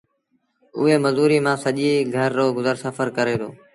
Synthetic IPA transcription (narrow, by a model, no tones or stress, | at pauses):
ʊɦeːməzuːɾiːmãːsəʄiːɡʱəɾːoːɡʊzəɾsəfəɾkəɾeːd̪ʰo̰ː